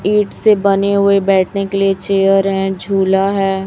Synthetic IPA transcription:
iːʈsebɐneɦʊebɛːʈʰnekeliet͡ʃeːəɾɦɛ̃d͡ʒʱuːlaɦɛː

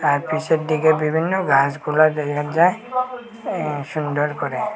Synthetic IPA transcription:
aɹpisɛt̚diɡɛbibʱinːɔɡaskulatɛkʰazaj | sundɔɹkɔɾɛ

